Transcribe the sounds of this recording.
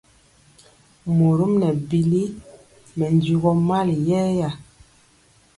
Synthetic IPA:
mo˨ɾu˦mnɛ˨bi˨li˦ | mɛ˨ndu˦˨ɡɔ˦ma˦˨ljɛ˦ja˨

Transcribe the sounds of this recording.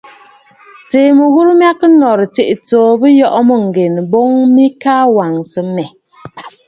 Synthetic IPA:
teː˨mɨ˨ɣu˦ɾm˦a˦kɨ˦nɔ˨ɾɨ˨te˨ʔi˨toː˨bɨ˦jɔ˦ʔmɨ˦ŋ̩˨ɡe˨n˨bo˦ŋmi˦ka˦wa˨ŋsɨ˦mɛ˨

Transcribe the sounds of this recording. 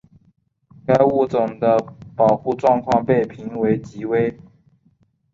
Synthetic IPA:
ka˥ɪu˥˩t͡sʊ˨˩ŋd̪ə˦pɑ˨˩ʊxu˥˧ʈ͡ʂwɑ˥˧ŋkʰwɑ˥˧ŋpe˥˩ɪpʰi˧˥ŋwe˧˥ɪt͡ɕi˧˥˦we˥ɪ

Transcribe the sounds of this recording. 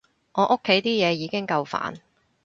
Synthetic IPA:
ŋɔː˨˧˥ʔo˥kʰːe˨˥jt̪iː˥jɛː˨˧jiː˨˧kɪ˥ŋkɐ˧wfa̰ː˨˥n

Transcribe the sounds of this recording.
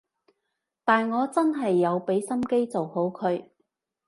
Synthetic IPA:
t̪aː˨nŋɔː˨˧t͡sɐ˥nɦɐ˨jːɐ˨˧wpe˨˥jsɐ˥mke˥jt͡so˨who˨˥wkʰɵ˨˧ɥ

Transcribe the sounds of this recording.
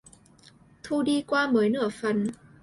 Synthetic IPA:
t̪ʰu˧ɗi˧kwaː˧məː˨˦jnɨ̰˧˩əfə˨˦n

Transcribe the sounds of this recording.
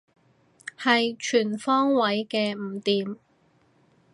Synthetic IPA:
hɐ˨jt͡ʃʰyː˨˩nfɔː˥ŋwɐ˨˥jkɛː˧m̩ː˨˩t̪iː˨m

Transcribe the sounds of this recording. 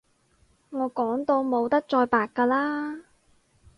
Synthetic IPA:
ŋɔː˨˧kɔː˨˥ŋt̪o˧wmo˨˧wt̪ɐ˥k̚t͡ʃɔː˧jpaː˨˧kːaː˧laː˥

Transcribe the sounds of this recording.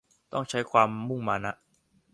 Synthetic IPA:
t̪ɔ˥˩ŋt͡ɕʰa˦˥jkʰwaː˧mːu˥˩ŋmaː˧na˦˥ʔ

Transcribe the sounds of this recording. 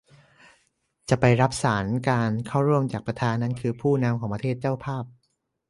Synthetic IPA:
t͡ɕa˨˩pa˧jɾa˦˥p̚saː˩˦nkaː˧nkʰa˥˩wɾu˥˩əmt͡ɕaː˨˩k̚pɾa˧t̪ʰaː˧nːa˦˥˨nkʰɯː˧pʰuː˥˩na˧mkʰɔː˩˦pɾa˧t̪ʰeː˥˩t̪̚t͡ɕaː˥˩wpʰaː˥˩p̚

